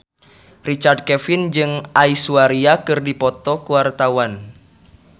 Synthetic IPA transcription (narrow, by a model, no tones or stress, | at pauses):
rit͡ʃard̚kɛfind͡ʒɨŋʔaisuaɾiakɨrdipɔt̪ɔkuwart̪awan